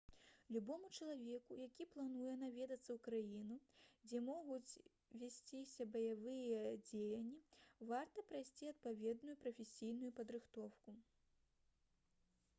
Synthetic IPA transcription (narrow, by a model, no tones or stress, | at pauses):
lʲubɔmut͡ʂɐlˠavʲɛkujakʲiplˠanujɛn̪avʲɛd̪ɐt̪sːɐwkɾajinud͡zʲɛmɔɣut͡sʲ | vʲasʲt͡sʲisʲɐbɐjavɨjɛd͡zʲejɐnʲːivart̪ɐpɾajsʲt͡sʲiɐt̪̚pavʲɛd̪nujupɾɐfʲesʲijnujupɐd̪ɾɨxt̪ɔwku